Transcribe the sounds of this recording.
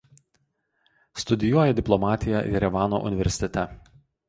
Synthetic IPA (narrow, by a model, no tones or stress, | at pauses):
st̪ʊd̪ʲɪjuɔjɛd̪ʲɪplˠɔmɑːt̪ʲɪjɛʔɪ̰ɾʲɛʋɑːno̰ːʔʊ̰nʲɪʋʲɛɾʲsʲɪ̥t̪ʲɛt̪ʲɛ